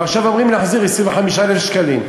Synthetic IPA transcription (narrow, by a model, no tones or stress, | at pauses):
aʁʃavamʁimnaħziʁisivaħamiʃlɛlfʃkaliːm